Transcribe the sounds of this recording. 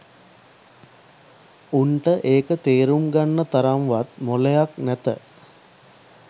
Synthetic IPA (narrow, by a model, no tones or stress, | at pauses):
uɳʈəʔeːkət̪eːɾumɡanːət̪aɾamʋat̪molejaknæt̪ə̰